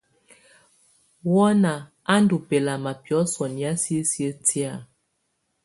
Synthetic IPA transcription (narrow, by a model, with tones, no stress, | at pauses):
wɔ˦na˨ | a˦ndu˨pe˨la˨ma˨pɔ˨˦sɔ˨ni˨a˦sje˦sə˦ti˦a˦˨